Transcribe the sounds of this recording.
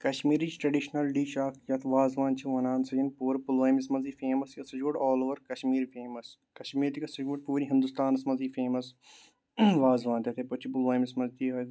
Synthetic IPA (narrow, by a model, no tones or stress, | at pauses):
kɐʃmiːɾid͡ʒʈɾɐɖiʃnɐlɖiːʃaːkjɐt̪ʰʋaːzʋaːnt͡ʃʰiʋɐnaːnsɐɡinpuːɾpuloːjmismɐziːfeːmɐskɐsɐd͡ʒuːʈɔːloːʋɐɾkɐʃmiːɾfʰeːmɐs | kɐʃmiːɾt̪ikɐsɐd͡ʒuːʈ̚puːɾiɦɪ̃nd̪ust̪aːnɐsmɐziːfʰeːmɐs | ʋaːzʋãːnt̪ɐt̪ʰepɐt͡ʃʰipʊlaːmismɐzt̪iɐ